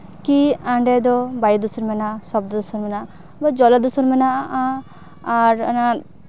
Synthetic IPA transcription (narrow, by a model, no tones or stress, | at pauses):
kiaɳɖɛd̪ɔbajd̪usuɾmɛnasɔb̚d̪d̪usuɾmɛna | bɔd͡ʒɔlad̪usuɾmɛnaʔa | aɾana